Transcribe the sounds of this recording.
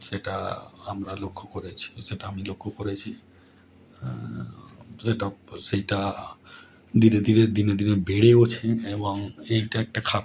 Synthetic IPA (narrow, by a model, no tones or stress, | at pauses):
ʃeʈa̰amɾalokʰːokoɾet͡ɕʰi̥ʃeʈaamilokʰːokoɾet͡ɕʰi | ʃeʈaʃejʈa | d̪ined̪ineɾd̪ined̪inebeɽeot͡ɕʰeeboŋejʈaɛk̚ʈakʰat̪